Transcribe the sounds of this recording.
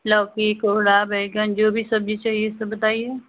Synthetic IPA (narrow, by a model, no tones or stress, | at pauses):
lɔːkikoɽabɛːɡənd͡ʒoːbʱisɐbd͡ʒit͡ʃaːɦiesɐbbɐt̪aːie